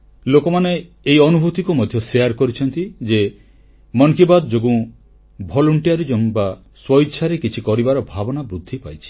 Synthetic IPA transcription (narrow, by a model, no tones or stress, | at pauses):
lokɔmaneː | jɔnubʱut̪ikumɔd̪ʱjɔseaɾkɔɾit͡ʃʰɔnt̪id͡ʒe | mɔŋkibad̪ɔd͡ʒoɡũ | bʱɔluɳʈijaɾid͡ʒɔmba | swɔjtːʃʰaɾekit͡ʃʰikɔɾibaɾɔbʱabɔnabɾud̪ʱːipa̰jt͡ʃʰi̥